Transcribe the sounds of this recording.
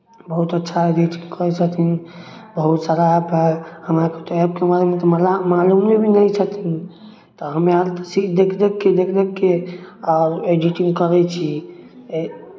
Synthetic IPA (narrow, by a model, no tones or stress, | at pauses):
bəɦut̪ətːʃʰaed͡ʒiʈĩŋɡkʰəɾɛt͡ʃʰət̪in | bəɦut̪saɾaɦbɦɛhəmɾaket̪ɔɛb̚kemaɾemet̪ɔlamalummebʱinəit͡ʃʰət̪in | t̪ɔɦəmeaɾt̪ɔsikd̪ekʰd̪ekːed̪ekʰd̪ekːeɔːɾed͡ʒiʈĩŋɡkəɾɛt͡ʃʰi